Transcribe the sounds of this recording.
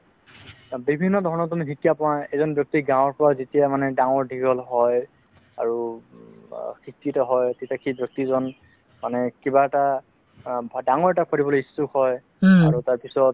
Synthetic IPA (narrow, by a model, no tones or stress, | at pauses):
bibʱinːɔdʱɔɹɔnɔt̬umiɦʰikiapɔaɛzɔnbjɔk̚tiɡãw̃ɔɹpɔɹazitijamanɛdãŋɔɹdʱiɡɔlɦɔj | aɹu | kʰikːitɔɦɔjtetakʰibjɔk̚tizɔn | manɛkibaɛta | bʱdaŋɔɹɛtakʰɔɹibɔloistukɦɔj | aɹutaɹpisɔt